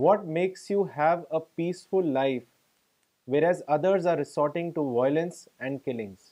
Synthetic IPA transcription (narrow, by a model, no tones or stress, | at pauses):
ʋɔːʈ̚meːksjuːɦæʋəpiːsfʊlːaɪf | ʋeːɾɛːzʌd̪əɾzaːɾɪsɔːɾʈɪ̃ŋʈuʋɔɪlə̃nsɛ̃ɳɖ̚kɪlɪ̃ŋz̥